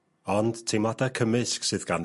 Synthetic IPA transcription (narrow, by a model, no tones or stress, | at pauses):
ɔnd̥tʰejmadakʰəmɨsksɨðɡan